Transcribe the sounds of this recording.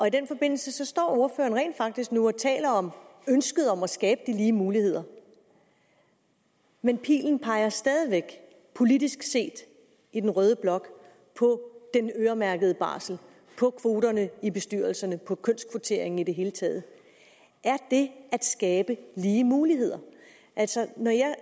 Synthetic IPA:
ɒ̽id̥enfɒ̽b̥e̝n̰l̩səsɒ̽sd̥ɒ̰ːo̝ɐfø̰ːɐnʁɛ̰ːnd̥fɑ̈ɡ̥̚d̥isɡ̥nuɒt͡sʰɛ̰ːlɐɒ̽mønsɡ̥əð̞̩ˠɒ̽mæsɡ̥ɛːb̥əd̥iliːmuːlihe̝ð̰ˠɐ | menpʰḭːln̩pʰɑ̈ɪɐsd̥ɛːð̞ˠiʋeɡ̥ | pʰo̝lidisɡ̥se̝̰ːd̥ | id̥enʁœːðˠəb̥lɒ̽ɡ̥ | pʰɒ̽d̥enøːɐmæɐɡ̥ð̞ˠəb̥ɑ̰̈ːsl̩ | pʰɒ̽kʰʋo̝ːɾɐnəib̥e̝sd̥yɐlsɐnəpʰɒ̽kʰøn̰skʰʋot͡sʰe̝ɐe̝ŋn̩id̥e̝ɦe̝ːlət͡sʰɛ̰ːð̞̩ˠ | ʔæɐd̥e̝æd̥sɡ̥ɛːb̥əliːəmuːliɦe̝ð̰ˠɐ | ʔæl̰sɒ̽nɒjɑ̈ɪ

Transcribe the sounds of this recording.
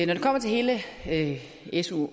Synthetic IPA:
nɒd̥ukʰɒ̽m̰ɐt͡sʰe̝lhe̝ːləø | esu

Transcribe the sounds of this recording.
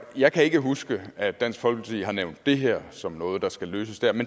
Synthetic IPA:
jɑ̈ɪkʰæe̝ɡ̥əɦusɡ̥əæd̥æn̰sɡ̥fɒ̽lɡ̥ət͡sʰiːɦɑ̈neʊnd̥̚ːe̝ɦæɐ̰sɒ̽mnɔ̽ːð̞̩ˠd̥ɑ̈sɡ̥æløːsəsd̥æɐmen

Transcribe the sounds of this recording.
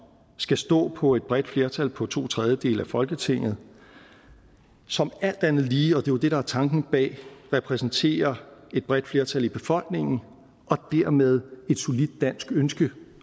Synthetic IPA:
sɡ̥æsd̥ɔ̰̽ːpʰɒ̽e̝d̥̚b̥ʁɛd̥fle̝ɐt͡sʰælpʰɒ̽t͡sʰo̝̰ːt͡sʰʁɛð̞ˠjəd̥e̝̰ːlæfɒ̽lɡ̥ət͡sʰe̝ŋ̰ð̩ˠ | sɒ̽mæl̰d̥ænð̞̩ˠliːɒ̽d̥e̝jod̥e̝ɾ̥ɑ̈æɐt͡sʰɑ̈ŋɡ̥n̩b̥ɛ̰ːʁɛpʰʁɛsn̩t͡sʰe̝̰ːɐe̝d̥̚b̥ʁɛd̥fle̝ɐt͡sʰælib̥e̝fɒ̽l̰ɡ̥ne̝ŋ̰n̩ | ɒ̽d̥æɐ̰með̞ˠe̝d̥so̝lid̥ːæn̰sɡ̥ønsɡ̥ə

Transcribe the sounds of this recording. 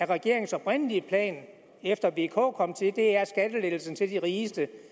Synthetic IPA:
æɐʁɛɡ̥e̝ɐ̰e̝ŋsɒ̽b̥ʁɛn̰əliəpʰlɛ̰ːn | efd̥ɐʋe̝kʰɔ̰ːkʰɒ̽m̰t͡sʰe̝d̥e̝æɐsɡ̥æd̥əleð̥l̩sn̩t͡sʰe̝ld̥iʁiːsd̥ə

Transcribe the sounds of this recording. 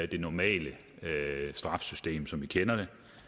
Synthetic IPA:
æd̥e̝nɒmɛ̰ːlə | sd̥ʁɑ̈fsysd̥e̝̰ːmsɒ̽mʋikʰenɐd̥e̝

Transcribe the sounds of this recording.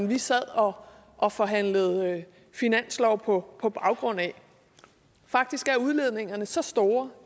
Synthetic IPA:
nʋisæð̰ˠɒ̽ | ʔɒ̽fɒ̽ɦæn̰ləð̞̩ˠ | finæn̰slɒʊpʰɒ̽pʰɒ̽b̥ɑ̈ʊɡ̥ʁɔ̽n̰æ | fɑ̈ɡ̥̚d̥isɡ̥æɐuð̞ˠle̝ð̞̰ˠne̝ŋɐnəsɒ̽sd̥o̝ːɐ

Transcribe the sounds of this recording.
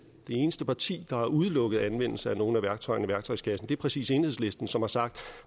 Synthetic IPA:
d̥e̝e̝ːnəsd̥əpʰɑ̈t͡sʰḭːd̥ɑ̈hɑ̈ʔuð̞ˠlɔ̽ɡ̥ð̩ˠænʋen̰l̩səæno̝ːn̩æʋæɐɡ̥̚t͡sʰɒ̽ɪ̰ɐniʋæɐɡ̥̚t͡sʰɒ̽ɪskʰæsn̩d̥e̝æɐpʰʁɛsḭːse̝ːnhe̝ðˠsle̝sd̥n̩sɒ̽mhɑ̈sɑ̈ɡ̥̚d̥

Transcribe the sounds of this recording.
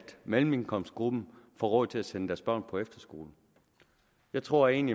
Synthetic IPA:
d̥mel̰m̩e̝ŋkʰɒ̽m̰sd̥̚ɡ̥ʁub̥m̩fɒ̰ːʁɔð̰ˠt͡sʰe̝læsenəd̥æɐsb̥ɶɐ̰npʰɒ̽efd̥ɐsɡ̥o̝̰ːln̩ | jɑ̈ɪt͡sʰʁo̝ɐ̰e̝̰ːnli

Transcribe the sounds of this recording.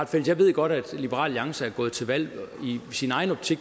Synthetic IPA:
fel̰d̥jɑ̈ʋe̝ð̞̰ˠɡ̥ɒ̽ɾ̥æd̥lib̥əʁɑ̰̈ːljɑ̈ŋsəæɐɡ̥ɔ̽ːð̞̩ˠt͡sʰe̝lʋæl̰isinɑ̈ɪn̩ɒ̽b̥̚t͡sʰiɡ

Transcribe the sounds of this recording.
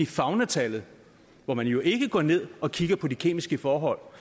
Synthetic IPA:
ifɑ̈ʊnæt͡sʰælð̩ˠ | ʋɒmænjo̝ʔe̝ɡ̥əɡ̥ɒ̰ːne̝ð̞̰ˠɒ̽kʰiɡ̥ɐpʰɒ̽dikʰe̝̰ːmisɡ̥əfɒːɦɒ̽l̰

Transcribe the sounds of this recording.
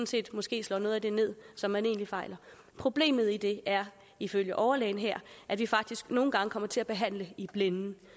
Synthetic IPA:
n̩se̝̰ːd̥mɒ̽sɡ̥e̝̰ːslɒ̰ːno̽ːð̞̩ˠæd̥e̝ne̝ð̞̰ˠsɒ̽mːæne̝̰ːnlifɑ̈ɪlɐ | pʰʁo̝b̥le̝̰ːmð̞̩ˠid̥e̝æɐ | iføljəʔɒʊɐleːɪn̩ɦeɐ̰ʔæʋifɑ̈ɡ̥̚d̥isɡ̥no̝ːn̩ɡ̥ɑ̈ŋəkʰɒ̽m̰ɐt͡sʰe̝æb̥e̝ɦæn̰ləib̥lenn̩

